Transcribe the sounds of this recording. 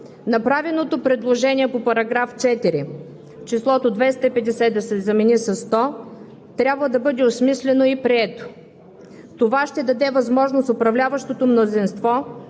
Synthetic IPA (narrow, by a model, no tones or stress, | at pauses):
nɐpɾavɛlnot̪opɾɛd̪lˠoʒɛniɛpopɐɾɐɡɾaft͡ʃɛt̪iɾi | ft͡ʃislˠɔt̪od̪vɛst̪əipɛd̪ɛsɛd̪ɐsɛzɐmɛnisɐst̪ɔ | t̪ɾʲabvəd̪ɐbɤd̪ɛosmislʲɛnoipɾiɛt̪o̥ | t̪ovaʃt̪ɛd̪ɐd̪ɛvɐzmɔʒnosopɾɐvlʲavɐʃt̪ot̪omnozinst̪vɔ